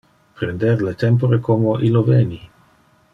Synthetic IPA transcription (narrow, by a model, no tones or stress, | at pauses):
pɾend̪eɾlet̪empoɾekomoʔiloveni